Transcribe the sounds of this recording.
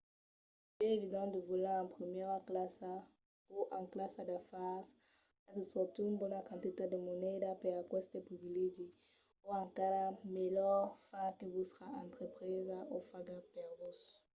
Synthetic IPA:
pɛevid̪ɑ̃d̪əvulaɑ̃pχəmjɛʁaklasa | uʔãklasad̪afas | adəsɔʁt̪uynbɔnakɑ̃nt̪it̪ad̪əmɔnɛd̪apɛʁakwɛsd̪epχivileʒi | uãŋkaɾamelœʁfakəvusəʁaɑ̃nt̪χəpχizaʔofaɡapɛʁvus

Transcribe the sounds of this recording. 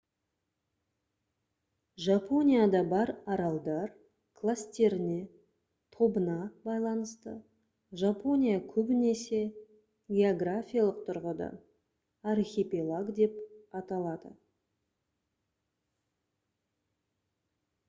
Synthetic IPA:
ʒapo̞nʲijad̪ɑbɑɾɑɾɑlˠd̪ɑɾ | kʰlˠast̪e̞ɾɪne̞ | t̪ʰo̞bənɑbɑjlˠɑnəst̪ə | ʒapo̞nʲijakʲʰɵbɪne̞se̞ | ɡʲe̞oɡrafʲijalˠəq̚t̪ʰʊɾʁəd̪ɑ̰ | arxʲepʲilˠaɡd̪e̞pɑt̪ɑlˠɑd̪ə

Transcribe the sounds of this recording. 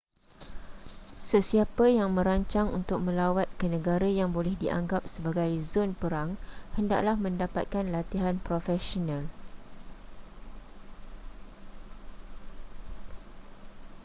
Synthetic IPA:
səsiapəjaŋmə̃ɾaɲt͡ʃaŋṵnt̪ʊk̚mə̃lawat̪̚kənə̃ɡaɾajaŋbolɛhdiʔa̰ŋɡap̚səbaɡajzonpəɾaŋhənda̰ʔ̚lahmə̃ndapat̪̚kanlat̪iɦanpɾofɛsonãl

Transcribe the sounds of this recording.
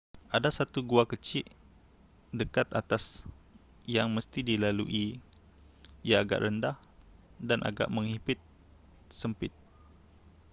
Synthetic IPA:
ʔadasat̪uɡuakət͡ʃɪʔ | dəkat̪at̪as | jaŋməst̪idilaluʔi | ijaːɡa̰ʔrəndah | danʔa̰ɡa̰ʔmə̃ŋhipɪt̪̚ | səmpɪt̪̚

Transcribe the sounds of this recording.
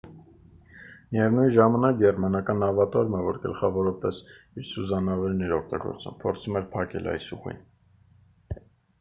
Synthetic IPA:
mijɛvnuj̪ʒɑmɑnɑk̚ɡɛrmɑnɑkɑnɑvɑt̪ɔɾməvɔɾɡə̰lχɑvɔɾɑpɛs | iɾsuzɑnɑvɛɾnɛɾɔk̚ʰt̪ɑɡɔ̰ɾt͡sṵmpʰɔɾt͡sʰumɛɾpʰɑkɛ̰lʔɑ̰jsuʁḭn

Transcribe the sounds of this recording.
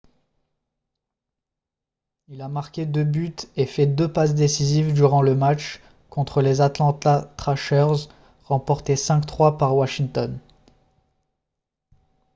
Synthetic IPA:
ilamaʁkʲed̪øbyt̪efɛd̪øpasd̪esizivd̪yʁɑ̃ləmat͡ʃ | kɔ̃t̪χəlezat̪lɑ̃t̪at̪χaʃœʁz | ʁɑ̃pɔʁt̪esɛ̃kt̪χwapaʁwaʃiŋt̪ɔn

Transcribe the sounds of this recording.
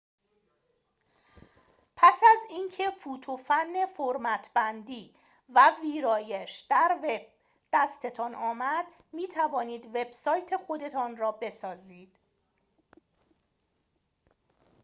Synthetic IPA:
pʰæsæziːncʰe̞fuːt̪ʰofænːe̞foɾmæt̪ʰbænd̪iː | væviːɾɒːjeʃd̪̥æɾveb̥̚ | d̪̥æst̪ʰe̞t̪ʰɒːnɒːmæd̪̥ | miːt̪ʰævɒːniːd̪ve̞b̥sɒːjt̪ʰe̞xo̞d̪e̞t̪ʰɒːnrɒːbe̞sɒːziːd̪̥

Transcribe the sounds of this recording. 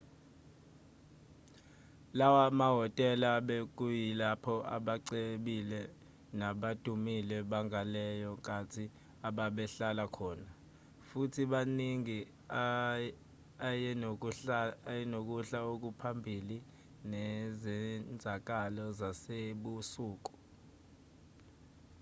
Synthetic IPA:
lawamaɦɔtʼɛlaɓek̬ʼujilapʰɔʔa̰ɓaǀeɓilɛ | naɓad̥ʱumilɛɓaŋʱalɛjɔkʼatʰi | aɓaɓɛɬalakʰɔːna | futʰiɓaniŋi | ajɛ | jɛnok̬uɬaok̬upʰambʱili | nɛzɛnd͡zʱak̬alɔzaseɓusuːk̬ʼu̥

